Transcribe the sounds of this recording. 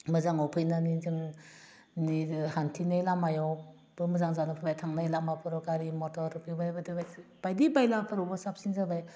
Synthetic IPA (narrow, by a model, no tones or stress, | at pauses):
mɯzaŋɔwpʰɯjnanizɯŋ | nihantʰinajlamajɔ | bɯmɯzaŋzanɯpʰɯbajtʰaŋnajlamapʰɯɾɔkaɾimɔtɔɾpʰibadbadibajb̥ajdibajlapʰɯɾɔbɔsap̚sinzabaj